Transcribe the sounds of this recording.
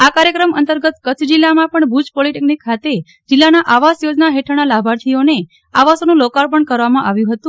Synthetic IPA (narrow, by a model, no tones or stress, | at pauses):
akaɾjəkɾəmənt̪əɾɡət̪kət̪ʰd͡ʒilːamãpəɳbʱud͡ʒpoliʈeknikʰːat̪e | d͡ʒɪlːanaʔaʋasjod͡ʒnaɦeʈʰəɽ̃alabʱaɾt̪ʰione | aʋasonũlokaɾpəɳkəɾʋamãʔaʋjũɦət̪ũ